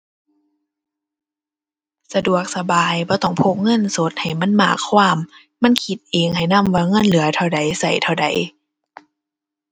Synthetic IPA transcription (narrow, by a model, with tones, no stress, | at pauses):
sa˧du˨˩ək̚sa˧baː˨jbɔː˧˦t̪ɔ˧˩ŋpʰo˧˦p̚ŋɤ˧˥˨nso˧˦t̪̚ha˨˩jma˧˥˨nma̰ː˧˩kʰːwaː˧˥˨mː | a˧˥˨nkʰi˧˦t̪̚ʔeː˨ŋha˨˩jna˧˥˨mwaː˧˩ŋɤ˧˥˨nlɯ˨˦ɐt̪ʰa˧˩wda˨˦jsa˧˩jt̪ʰa˧˩wda˨˦j